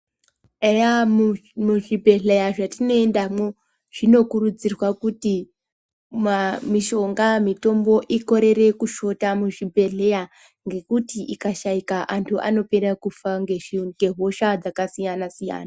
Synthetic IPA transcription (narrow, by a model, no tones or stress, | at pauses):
ejamumuʐibʱe̞ɮejaʐatino̞endamo | ʐ̥ino̞kurud͡zirwakuti | mamiʃo̞ŋɡamito̞mbo̞ʔiko̞ɾe̞ɾe̞kuʃo̞tamuʐibʱe̞ɮe̞ja | ŋɡe̞kutiʔikaʃaikaʔantʰuʔa̰no̞peɾakufaŋɡeɡe̞ɦo̞ʃad͡zakasijanasija̰ːna